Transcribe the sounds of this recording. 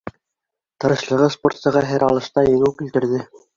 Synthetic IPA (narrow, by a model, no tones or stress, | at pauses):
t̪ɤ̆ɾɤ̆ʃlˠɤ̆ʁɤsport̪sɤ̆ʁɑɦæɾɑlˠɤ̆ʃt̪ɑjɘ̆ŋɘwkilt̪ɘ̆ɾðɘ